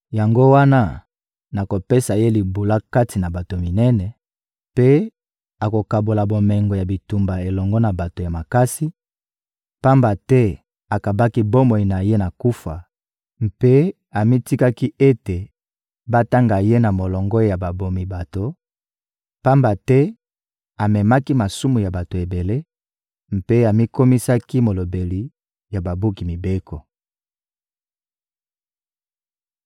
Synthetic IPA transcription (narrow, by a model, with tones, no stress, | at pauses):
ja˨ŋɡo˦wa˦na˦ | na˨ko˨pe˦sa˨je˦li˨bu˨la˦ka˦ti˨na˨ba˨to˨mi˨nɛ˦nɛ˨ | pe˦ | a˨ko˨ka˨bo˨la˨bo˨mɛ˨ŋɡo˨ja˨bi˨tu˨mba˨e˨lɔ˨ŋɡɔ˦na˨ba˨to˨ja˨ma˨ka˦si˦ | pa˦mba˨tɛ˦ | a˨ka˨ba˦ki˦bo˦mo˨i˨na˨je˦na˨ku˦fa˨ | mpe˦ | a˨mi˦ti˦ka˦ki˦e˦te˨ | ba˦ta˦ŋɡa˨je˦na˨mo˨lɔ˨ŋɡɔ˦ja˨ba˨bo˨mi˨ba˨to˨ | pa˦mba˨tɛ˦ | a˨mɛ˨ma˦ki˦ma˨su˦mu˨ja˨ba˨to˨e˨be˨le˦ | m̩˨pe˦a˨mi˦ko˦mi˦sa˦ki˦mo˨lo˨be˨li˨ | ja˨ba˨bu˦ki˨mi˨be˦kɔ˨